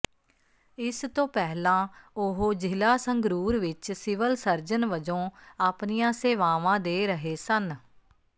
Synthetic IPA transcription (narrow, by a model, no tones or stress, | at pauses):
ɪst̪õːpɛːlãːʊɦoːd͡ʒɪlaːsəŋɡɾuːɾʋɪt͡ʃsɪʋəlsəɾd͡ʒənʋəd͡ʒõːaːpnijãːseːʋaːʋãːd̪eːɾəɦeːsən